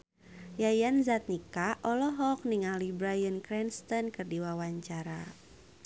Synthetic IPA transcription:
jajanzat̪̚nikaʔɔlɔɦɔk̚niŋalibɾajənkɾɛnst̪ɔnkɨrdiwawaɲt͡ʃaɾa

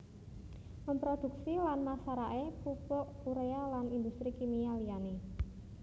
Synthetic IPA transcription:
məmpɾod̪̥ṳksilanmasaɾaʔepupʊʔkuɾealanind̪ust̪ɾikimialijane

